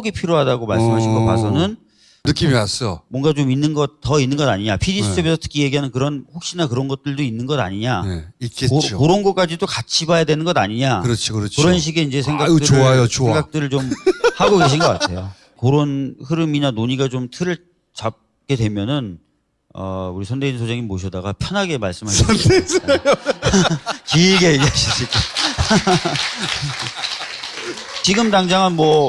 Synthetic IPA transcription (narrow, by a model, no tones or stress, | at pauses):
ɡipʰiɾjoɦadaɡomaɭs͈ɯmɦaɕʰinɡʌpa̰sʰʌnɯn | nɯk͈imias͈ʌjo̰mwʌŋɡat͡ɕominːɯnɡʌt̚t͈ʌinːɯnɡʌda̰ɲiɲapʰiɾisʰɯ̥tʰebesʰʌtʰɯ̥kʰije̞ɡiɦanɯnkɯɾʌnɸok̚ɕ͈inakɯɾʌnɡʌt̚t͈ɯɭdoinːɯnɡʌda̰ɲiɲaeik͈ekokoɾonɡʌk͈ad͡ʑidokat͡ɕʰibajadwe̞nɯnɡʌdaɲiɲakɯɾʌt͡ɕʰokɯɾʌt͡ɕʰkɯɾʌnɕ̬ʰiɡe̞ind͡ʑe̞sʰeŋɡatɯoajooeŋɡakk̚t͈ɯɾɯɭt͡ɕomhaɡoɡe̞ɕ̬ʰinɡʌk͈a̰ttʰe̞jo | koɾonhɯɾɯminanoɲiɡat͡ɕomtʰɯɾɯɭ | t͡ɕap̚ | k͈e̞dwe̞mjʌnɯn | ʌ̰uɾisʰʌnde̞insʰod͡ʑeŋimoɕʰʌdaɡapʰjʌnɦaɡe̞maɭs͈ɯmɦaɕsʌdesaj | kiɡeɡaɕʰiɕʰik͈a | t͡ɕiɡɯmtaŋd͡ʑaŋanmwʌ